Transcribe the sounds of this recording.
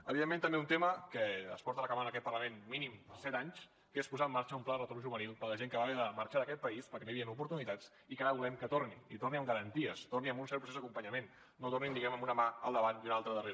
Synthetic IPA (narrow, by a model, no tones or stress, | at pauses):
əβiðemːẽnt̪əmbeunt̪eməkəə̰spɔɾt̪ələkamanəkɛt̪̚pərləmenminiməsɛt̪aɲs | kespuzaəmːaɾt͡ʃəumplaðərət̪oɾmʒuβənilˠpələʒeŋkəβaβɛðəməɾt͡ʃaðəkɛt̪̚pəispəɾkɛnojəβiənupuɾt̪unit̪at͡s | ikaɾəβulɛmkət̪orniit̪orniəmɡəɾənt̪iəst̪orniəmbunsɛɾpɾusezðəkumpəɲəmen | nːot̪oɾnind̪iɣɛməmunəmaə̰lˠd̪əβaniunalˠt̪ɾəðəre